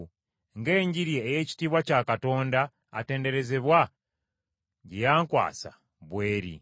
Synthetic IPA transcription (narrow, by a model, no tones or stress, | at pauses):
ŋɡe̞ːɲɟiɾjeːje̞ci̥tiːβwacakato̞ːnda̰ː | te̞ːnde̞ɾe̞ze̞βwa | ɟejaːŋkwa̰ːsa̰ | βwe̞ːɾḭ